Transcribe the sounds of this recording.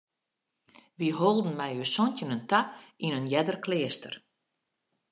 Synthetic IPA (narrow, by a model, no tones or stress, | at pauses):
ʋiɦolˠdən̩mɛjøsɔntjənəntainənjɛdərklɪːəstə̰r